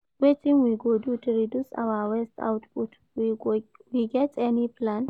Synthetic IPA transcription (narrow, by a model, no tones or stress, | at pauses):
wetʼinwiɡodutʰɾidusa̰wawɛst̪ʰa̰wtput | wiwiɡɛtʼɛniplan